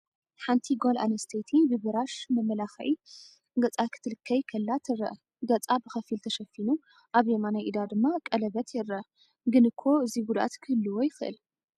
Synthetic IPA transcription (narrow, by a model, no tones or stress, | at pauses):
ħant̪ʰiɡola̰nɐst̪ʰet̪ʰibɨbɨɾaʃmɐmːɐlaxɐʔi | ɡɐt͡sʼakʰɨ̥t̪ʰɨlɨkʰːɐjkʰɐlːat̪ʰɨrɐ̰ʔ | ɡɐt͡sʼabɨxɐfilt̪ʰɐʃɐfːinu | ʔaβjemanajʔid̪ad̪ɨmːakʼɐlɐβɐt̪ʰjɛɾɐ | ɡɨnɨkʰːo̞ɨziɡud̪ʔa̰t̪kʰɨhɨlːɨwojɪxɨʔɨ̰l